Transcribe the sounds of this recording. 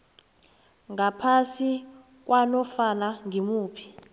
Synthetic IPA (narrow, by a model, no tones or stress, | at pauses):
ŋapʰasi | k̬ʼwanɔfanaŋʱimuːpʰi̥